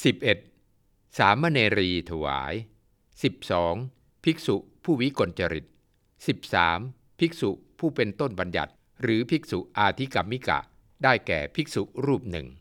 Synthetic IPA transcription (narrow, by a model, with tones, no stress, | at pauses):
si˨˩p̚ʔe˨˩t̪̚ | saː˩˦mːaː˧neː˧ɾiː˧t̪ʰa˧wa̰ː˩˦j | si˨˩p̚sɔː˩˦ŋ | pʰi˦˥k̚su˨˩ | pʰuː˥˩wi˦˥ko˧nt͡ɕa˧ɾḭ˨˩t̪̚ | si˨˩p̚saː˩˦m | pʰi˦˥k̚sṵ˨˩pʰuː˥˩pe˧nt̪o˥˩nba˧nja̰˨˩t̪̚ | ɾɯː˩˦pʰi˦˥k̚su˨˩ʔʔaː˧t̪ʰi˦˥ka˧mːi˦˥ka̰˨˩ | daː˥˩jkɛ̰ː˨˩pʰi˦˥k̚su˨˩ɾuː˥˩p̚nɯ̰˨˩ŋ